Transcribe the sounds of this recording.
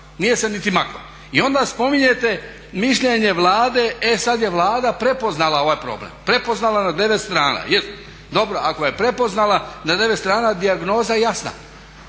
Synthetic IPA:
nije̞senit̪imakɾo̰ | io̞nd̪aspo̞miɲe̞t̪e̞ | miʃʎe̞ɲe̞ʋlˠaːd̪e̞esad̪je̞ʋlˠaːd̪apɾe̞po̞znalˠao̞ʋajpɾo̞̰ːblḛmpɾe̞poznalanad̪e̞ʋet̪st̪ɾaːna̰jes | d̪o̞bɾo̞ako̞jepɾe̞po̞znalanad̪e̞ʋet̪st̪ɾaːnad̪iaɡno̞ːzajasna̰

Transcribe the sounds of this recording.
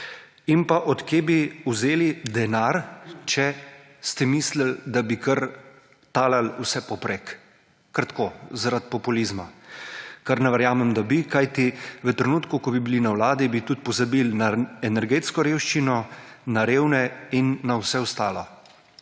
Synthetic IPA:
inpaʔɔt̪kjeːbiuzeːlid̪ɛnaɾt͡ʃɛ | st̪ɛmiːsləld̪abikəɾ | t̪aːlalusɛpɔpɾek | kaɾt̪ḁkoːzaɾat̪̚pɔpulizma | kaɾnɛʋɛɾjaːmɛmd̪abikajt̪iʋət̪ɾɛnuːt̪kukɔbibilinawlaːd̪ibit̪ut̪̚pɔzabilnaɛnɛɾɡeːt̪skɔɾeːwʃt͡ʃinɔnaɾeːwnɛinːawsɛɔst̪aːlɔ

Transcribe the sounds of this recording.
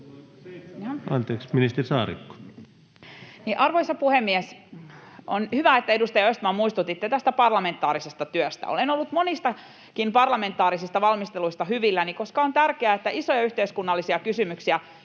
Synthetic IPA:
ɑnt̪eːksminist̪erisɑːɾḭkːo̥ | niʔɑrʋoisɑpuhemːiɛs | onhyʋæet̪ːæedust̪ɑjɑøst̪mɑːmuist̪ut̪it̪ːet̪æst̪æpɑrlɑme̞nt̪ːˑɑːɾisest̪ɑt̪yøst̪æ̰o̰lenolːut̪monist̪ɑ | kimpɑrlɑme̞nt̪ːˑɑːɾisist̪ɑʋɑlmist̪eluist̪ɑhyʋilːænikoskɑont̪ærkeæet̪ːæʔisojɑyht̪eiskunːɑlːisiɑkysymyksiæ

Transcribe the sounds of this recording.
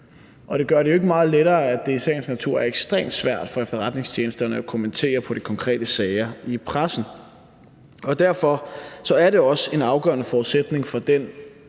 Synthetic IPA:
ʔɒ̽ɾ̥e̝ɡ̥ɶɐɾe̝joe̝ɡ̥əmɑ̈ːð̩ˠleɾɐːæd̥e̝sɛ̰ːɪnsnæt͡sʰuɐ̰æɐeɡ̥sd̥ʁɛ̰ːmd̥sʋæɐ̰d̥fɒ̽efd̥ɐʁad̥ne̝ŋst͡ɕʰjeːnəsd̥ɐnəækʰo̝mənt͡sʰe̝̰ːɐpʰɒ̽ɾ̥ikʰɒ̽ŋkʰʁɛ̰ːd̥əsɛːɪɐipʰʁasn̩ | ɒ̽d̥æɐ̰fɒ̽sɒ̽æɐɾe̝ɒ̽se̝nɑ̈ʊɡ̥ɶɐnəfɒːðˠsed̥ne̝ŋfɒ̽d̥en

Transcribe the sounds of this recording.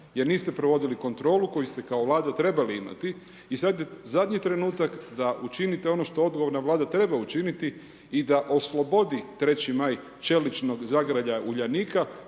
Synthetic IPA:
je̞ɾniːst̪e̞pɾo̞ʋo̞d̪iliko̞nt̪ɾo̞ːluko̞just̪e̞kao̞ʋlˠaːd̪at̪ɾe̞baliima̰t̪i | isad̪jezad̪ʲɲit̪ɾe̞nuːt̪akd̪aʔut͡ʃinit̪eo̞no̞ʃt̪o̞o̞d̪̚ɡoo̞ɾnaʋlˠaːd̪at̪ɾe̞baut͡ʃinit̪i | id̪aʔo̞slo̞bo̞d̪it̪ɾe̞t͡ɕimaj | t͡ʃe̞lit͡ʃno̞ɡzaɡɾaʎauʎaniːka

